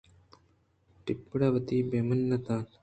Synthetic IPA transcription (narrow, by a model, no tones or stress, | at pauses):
ʈipːuɽɐʋɐt̪iːbeːmɐnːɐt̪aːn